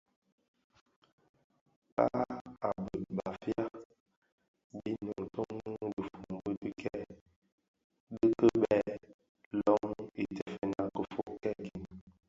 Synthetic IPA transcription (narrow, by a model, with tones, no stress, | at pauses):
ɓa̰˦a˨bə˨ɓa˨fja˦ | bi˦no˨ŋ˨tɔ˦ŋ˦lə˨fu˨ŋbə˦bi˦kʰɛ˦˨ | ɗə˦kə˦ɓɛ˦˨ | lɔ˦ŋi˨tɛ˨fɛ˨na˨kə˨fo˦ʔkɛ˦˨ki˨n